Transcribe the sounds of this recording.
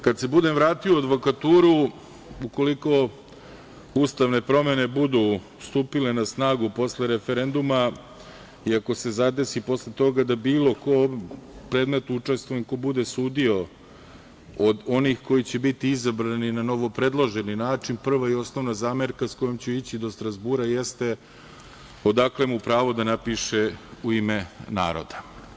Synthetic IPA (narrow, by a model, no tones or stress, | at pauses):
kad̪se̞bud̪emvɾaːt̪ioad̪ʋo̞kat̪uːɾu | uko̞liko̞ | ust̪aʋne̞pɾo̞me̞ne̞bud̪u | st̪uːpile̞nasnaːɡupo̞sle̞ɾefeɾe̞nd̪uma | iako̞se̞zad̪e̞sipo̞slet̪o̞ɡad̪abiːlo̞ko̞pɾe̞ːd̪met̪nuut͡ʂe̞st̪ʋojeɲko̞bud̪esuːd̪io̞ | od̪o̞nixko̞jit͡ɕebit̪iizabɾaninano̞ʋo̞pɾe̞d̪lˠoʒeninaːt͡ʂinpr̩ʋaio̞sno̞ʋnazaːmeɾkasko̞jomt͡ɕuit͡ɕid̪o̞st̪ɾazbuːɾajest̪e̞ | o̞d̪aklemupɾaːʋo̞d̪anapiʃeuimena̰ːɾo̞̰d̪a